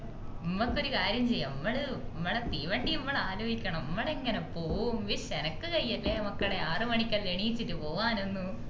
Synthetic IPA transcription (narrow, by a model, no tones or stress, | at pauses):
nimːɐkːo̞ɾukaːɾjɐmt͡ɕejːɐɐmːɐɭɨɐmːɐɽet̪iːʋɐɳɖiɐmːɐɭaːloːhikʲːɐɳɐmɐmːɐɽeŋːɐnepoːʋumʋiʂenɐkːɨkɐjːɐlːeːɐmɐkːɐɭeaːrɨmɐɳikʲːɐleɳijit͡ɕːitːɨpo̞ːʋaːno̞nːu